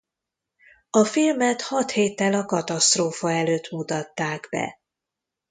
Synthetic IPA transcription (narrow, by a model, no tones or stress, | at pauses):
ɒfilmɛt̪hɒt̪heːt̪ːɛlɒkɒt̪ɒst̪roːfɒɛløːt̪mut̪ɒt̪ːaːɡbɛ̰